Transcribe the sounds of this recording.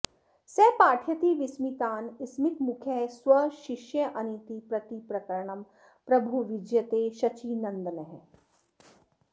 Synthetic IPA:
sɛːpaːʈʰjɐt̪iːʋismit̪aːnismit̪mukʰjesʋɐʃiʃjɐʔɐnit̪ipɾɐt̪ipɾɐkɐɾɳɐm | pɾɐbʱuʋid͡ʒjɐt̪eːʃɐt͡ʃinɐnd̪ɐnɐɦẽ

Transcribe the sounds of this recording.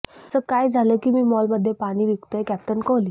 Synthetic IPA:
səkajd͡zʱaləːkiːmiːmɔlməd̪ʱːjepaɽ̃iːʋikt̪əekɛp̚ʈənkɔli

